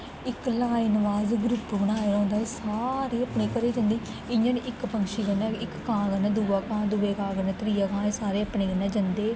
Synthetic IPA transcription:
ɪklaːinʋaːzɡɾʊpːbəɽ̃aːeːɾaʊ̃ːnd̪aːesaːɾeːəpɳeːkəɾeːd͡ʒãnd̪eː | ɪɲənːʔɪkpəŋʃiːkənaɪkːãːkənaːd̪uːaːkãːd̪uːeːkãːɡənaːt̪ɾiːaːkãːesaːɾeːəpneːkənaːd͡ʒənd̪eː

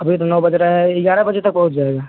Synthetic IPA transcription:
ɐbʱit̪onɔːbɐd͡ʒɾaɦɛɪɡaːɾabɐd͡ʒet̪ɐk̚bɐɦʊt̪̚d͡ʒaːeːɡaː

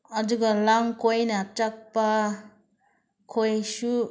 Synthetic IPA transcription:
ʌduɡalaŋkojnatak̚pa | kʰojsu

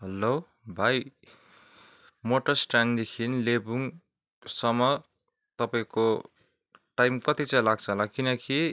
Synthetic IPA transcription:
ɦʌlo | bʱaj | moʈʌsʈand̪ekʰinlebuŋ | sʌmʌ | t̪ʌpaĩko | ʈajmkʌt̪it͡sãĩlaɡ̚t͡sʰʌɦʌlakinʌki

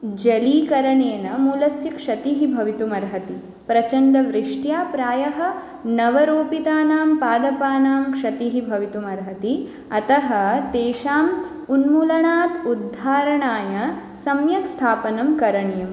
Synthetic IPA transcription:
d͡ʒɐliːkɐɾɐɳeːnɐmuːlɐsjɐkʂɐt̪iɦibʱɐʋit̪umɐɾɦɐt̪i | pɾɐt͡ʃɐnɖ̪ɐʋɾɪʂʈjaːpɾaːjɐɦɐ̆ | nɐʋɐɾoːpit̪aːnaːmpaːd̪ɐpaːnaːmkʂɐt̪iɦibʱɐʋit̪umɐɾɦɐt̪i | ɐt̪ɐɦɐt̪eːʃaːm | unmuːlɐɳaːt̪ud̪ʱːaːɾɐɳaːjɐ | sɐmjɐkst̪ʰaːpɐnɐmkɐɾɐɳjɐm

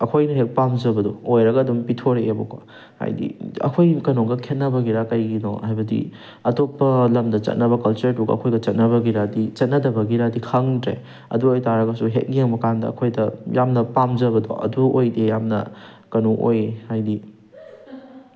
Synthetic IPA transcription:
ɐkʰojnɐɦek̚pamzɐbɐdɔojɾɐɡɐːdumpitʰoɾeeboko̰ | ha̰jdḭɐ̰kʰojkɐnoŋɡɐkʰet̚nɐbɐɡiɾakɐjɡino̰hajbɐdḭ | ɐtopːɐlɐmdɐt͡ʃɐ̰t̚nɐbɐkɐlt͡ʃɐɾtuɡɐ̰ɐ̰kʰojɡɐt͡ʃɐt̚nɐβɐɡiɾadit͡ʃɐt̚nɐdɐbɐɡiɾadikʰɐŋdɾḛ | ɐ̰duojtaɾɐɡɐsuɦḛk̚nieŋmɐkandɐ̰ɐ̰kʰojdɐjamnɐpamzɐbɐdɔ̰ʔɐ̰duojdejamnɐ̰ | kɐnoŋʔo̰jhajdi

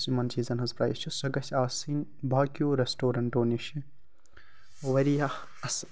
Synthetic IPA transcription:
simɐnt͡ʃiːzɐnɦɐzpɾa̰ːjst͡ʃʰusɐɡɐsʲaːsiːnbaːkijoːɾesʈoːɾɐɳʈoːniʃi | ʋɐɾijɐh | ɐs

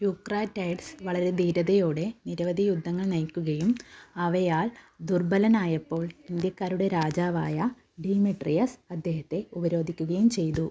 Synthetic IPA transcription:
jukraːʈːɐjɖsʋɐɭɐɾe̞d̪iːɾɐðɐjo̞ːɽe̞niɾɐʋɐd̪ʱijud̪ʱːɐŋːɐɭnɐjkʲːuɣɐjumɐʋɐjaːɭ | d̪urbɐlɐnaːjɐpːo̞ːɭind̪jɐkːaːɾuɽe̞ɾaːd͡ʑaːʋaːjɐ | ɖiːmiʈrijɐsɐd̪ʱːje̞ːhɐt̪ːe̞ubɐɾo̞ːd̪ʱikʲːuɣɐjumt͡ɕe̞jt̪u

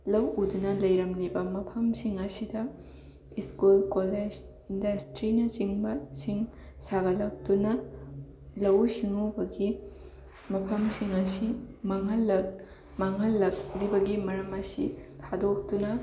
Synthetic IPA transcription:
lɐwudunɐlɐjɾɐmnibɐmɐpʰɐmsiŋɐsidɐ | iskulkoled͡ʒ | indɐstɾinɐt͡ʃiŋbɐsiŋ | saɡɐlɐk̚tunɐ | lɐwsiŋubɐɡi | mɐpʰɐmsiŋɐsimɐŋɦɐlːɐ | maŋɦɐlːɐk̚libɐɡimɐɾɐmɐsḭtʰadok̚tunɐ

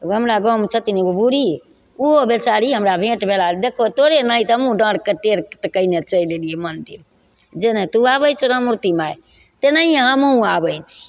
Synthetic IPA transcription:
ɦəmɾaɡɔmt͡ʃʰət̪iniobuɾi | uobet͡ʃaɾiɦəmɾabʱẽʈbʱelad̪ekʰot̪oɾenaĩt̪ɦəmũɖə̃ɽkeʈeɾt̪əkəinet͡ʃəilelijemənd̪ḭɾ | d͡ʒenẽt̪uabəjt͡ʃʰoɾɦəmuɾt̪imaj | t̪enaiəɦəmũabəjt͡ʃʰi̥

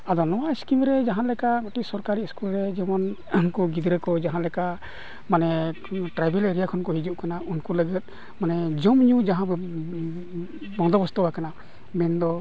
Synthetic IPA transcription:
ad̪ɔnɔwaiskimɾɛd͡ʒaɦanlɛkaɡɔʈiʔsɔɾkaɾiskulɾɛd͡ʒɛmɔn | nkɔɡid̪ɾɛkɔd͡ʒaɦãlɛka | manɛ | ʈɾajbɛleɾijakʰɔnkɔɦid͡ʒuʔ̚kanaʔunkuləɡət̪̚ | manɛd͡ʒɔmɲud͡ʒaɦã | bɔŋd̪ɔbɔst̪ɔwakana | mɛnd̪ɔ

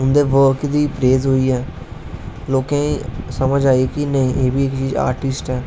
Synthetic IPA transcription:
ʊnd̪eːʋəɾkd̪iːpɾeːzɦoːiːɛː | loːkɛ̃ːiːsəməd͡ʒaːiːkinəĩːʔeːbiːɪkt͡ʃiːza̰ːɾʈɪsʈɛː

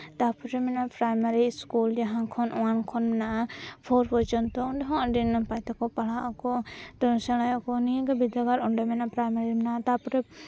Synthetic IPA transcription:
t̪apɔɾɛmɛnapɾajmaɾiskuld͡ʒaɦãkʰɔnɔ̃wankʰɔnmɛnaʔapʰɔɾpɔt͡ʃɔnt̪ɔɔɳɖɔɦɔ̃ɖinapajt̪akɔpaɭaʔakɔt̪ɔsɛlajakɔnĩɡabid̪aɡaɾɔɳɖɔmɛnapɾajmaɾimnaʔt̪apɔɾɛ

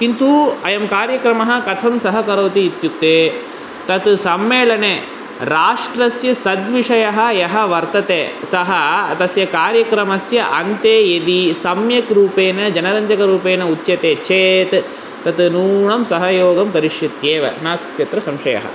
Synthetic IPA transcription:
kint̪uɐjɐmkaːɾjɐkɾɐmɐɦɐ̆kɐt̪ʰɐmsɐɦɐkɐɾɐwt̪iːt̪juk̚t̪eː | t̪ɐt̪sɐmːeːlɐne | ɾaːʂʈɾɐsjɐsɐd̪ʋiʂɐjɐɦɐ̆jɐɦɐ̆ʋɐɾt̪ɐt̪eːsɐɦɐt̪ɐsjɐkaːɾjɐkɾɐmɐsjɐʔɐnt̪eːjed̪isɐmjɐkɾuːpeːnɐd͡ʒɐnɐɾɐɲd͡ʒɐkɐɾuːpeːnɐutːt͡ʃɐt̪eːt͡ʃeːt̪ | t̪ɐt̪nuːɳɐmsɐɦɐjoːɡɐmpɐɾiʂjɐt̪jeːʋɐ̰naːst͡ʃɐt̪ɾɐsɐmʃɐjɐ̰ɦɐ̰

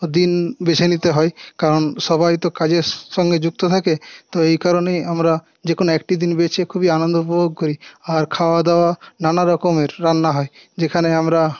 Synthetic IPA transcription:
d̪inbet͡ʃʰenit̪eɦɔekaɾɔnʃɔbajt̪okad͡ʑeɾʃɔŋɡed͡ʑuɡ̚t̪ot̪ʰaket̪ɔejkaɾonejamɾa | d͡ʑekonoɛk̚ʈid̪inbet͡ʃʰekʰubianɔnd̪oupoboɡ̚koɾiaɾkʰaoad̪aoananaɾɔkomeɾːanːaɦɔed͡ʑekʰaneamɾa

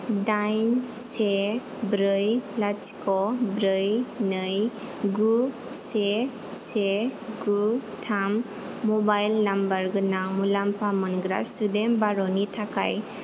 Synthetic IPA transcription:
dajnse | bɾɯjlat͡ʃkɔbɾɯjnɯj | ɡu | se | seɡutʰamː | ɔbajlnambaɾɡɯnamulampamɯnɡɾa̰sudembaɾɔnitʰaka̰j

